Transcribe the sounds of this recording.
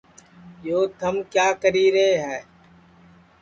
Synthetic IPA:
joːt̪ʰəmkjaːkəɾiːɾəɦeɦɛː

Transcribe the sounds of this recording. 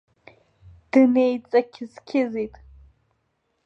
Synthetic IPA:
d̥ɨnejt͡sʼɐkʲʰɪzkʲʰɪzitʼ

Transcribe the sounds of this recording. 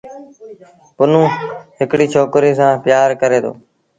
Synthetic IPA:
pʊnũːɦɪkɽiːt͡ʃʰoːkɾiːsãːpjaːɾkəɾeːd̪o̰ː

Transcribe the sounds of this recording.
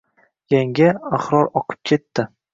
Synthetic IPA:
jaŋɡʲaaχɾɒɾɒqʰɨ̥p̚kʲʰe̞t̪ʰːɪ

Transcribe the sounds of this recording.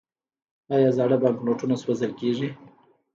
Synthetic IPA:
ɑjɑzɑɽəbɑŋkloʈunaswazəlkeʐi

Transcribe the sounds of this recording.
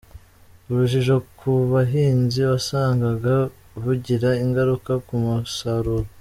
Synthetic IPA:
uɾuʒiʒo̞kʰuβaɦiːnziβasaːŋɡaɡa | βuɟiɾaiŋɡaɾukakumusaɾuːɾo

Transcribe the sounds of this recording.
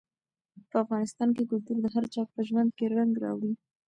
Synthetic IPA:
pəafɣɑnɪst̪ɑnkeɡʊlt̪uɾd̪əɦaɾt͡ʃɑk̚pəʒwand̪̚keɾaŋɡɾɑ̰wɽi

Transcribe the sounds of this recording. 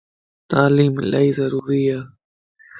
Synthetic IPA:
t̪aːliːmlʔajzɐɾuːɾija

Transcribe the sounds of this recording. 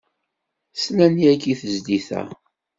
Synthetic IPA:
snæniækːiθəzd̪iθæ̰

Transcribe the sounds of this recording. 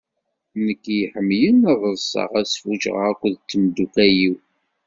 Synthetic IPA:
nəkːjiħəmːjənəðˤəɾsˤɑ̰ʁæsfut͡ʃʁə̰ʁækʷːðt͡sːəmd̪ukæjiw

